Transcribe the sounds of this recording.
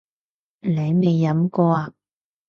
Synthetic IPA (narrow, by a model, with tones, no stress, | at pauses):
le˨˧jme˨˩jːɐ˨˥mkɔː˧aː˧